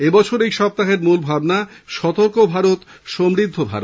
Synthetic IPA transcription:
ebɔt͡ɕʰoɾejʃɔp̚t̪aɦeɾmulbʱabnaʃɔt̪oɾkobʱaɾot̪ʃomɾid̪ʱːobʱa̰ɾo̰t̪

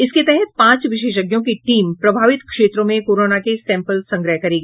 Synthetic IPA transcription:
ɪsket̪ɛɦɛt̪̚pãːt͡ʃʋɪʃ̬eːʃ̬ɐɡjõkiʈiːmpɾɐbʱaːʋɪt̪kʃeːt̪ɾõmẽkoːɾoːnakesɛ̃ːmpəlsɐ̃ŋɡɾəɦkɐɾiːɡ

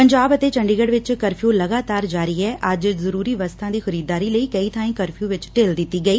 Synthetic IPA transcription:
pəɲd͡ʒaːbət̪eːt͡ʃə̃ɳɖiːɡəɽʋɪt͡ʃkəɾpʰjũːləɡaːt̪aːɾd͡ʒaːɾiːɦɛːʔəd͡ʒzəɾuːɾiːʋəst̪ʰãːd̪iːxʰʊɾiːd̪aːɾiːləiːkəiːt̪ʰãːĩːkəɾpʰijũːʋɪt͡ʃʈeːld̪ɪt̪ːiːɡəiː

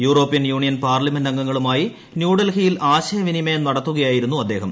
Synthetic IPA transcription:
juːro̞ːpːijɐnjuːɳijɐnpaːrlɐmendɐŋɡɐŋːɐɭumaːji | njuːɽɐlhijilʔaːɕɐjɐʋinimɐjɐmnɐɽɐt̪ːuɣɐjaːjiɾunːuɐd̪ːe̞ːɦɐm

